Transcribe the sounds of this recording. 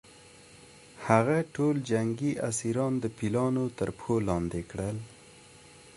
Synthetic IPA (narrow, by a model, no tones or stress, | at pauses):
haɣaʈold͡ʒaŋɡiʔasiɾɑnd̪əpilɑnot̪əɾpxolɑnd̪ekɽəl